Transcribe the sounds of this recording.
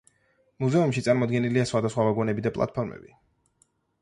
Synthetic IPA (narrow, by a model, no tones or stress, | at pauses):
muzɛumʃit̪sʼaɾmɔd̪ɡɛniliasχwad̪asχwavaɡɔnɛbid̪apʼlˠa̰t̪̚pʰɔɾmɛ̰bi